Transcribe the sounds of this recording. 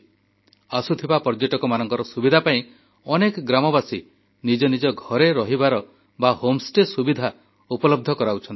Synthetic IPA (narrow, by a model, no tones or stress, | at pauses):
asut̪ʰibapɔɾd͡ʒeʈɔkɔmanɔŋkɔɾɔsubid̪ʱapaĩ | ɔnekɔɡɾamɔbasi | nid͡ʒɔnid͡ʒɔɡʱɔɾeɾɔɦibaɾɔ | bahomsʈesubid̪ʱa | upɔlɔb̚d̪ʱɔkɔɾauwt͡ʃʰɔni